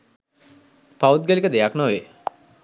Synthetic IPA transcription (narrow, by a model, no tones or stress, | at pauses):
paut̪̚ɡælikəd̪ejaknoʋe